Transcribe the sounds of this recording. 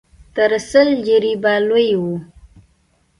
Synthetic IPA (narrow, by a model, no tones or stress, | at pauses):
t̪əɾsəld͡ʒiɾibalojwu